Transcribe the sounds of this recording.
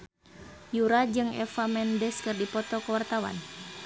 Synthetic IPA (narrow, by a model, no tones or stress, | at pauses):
juɾad͡ʒɨŋɛ̰famɛndɛskɨrdipɔt̪ɔkəwart̪awa̰n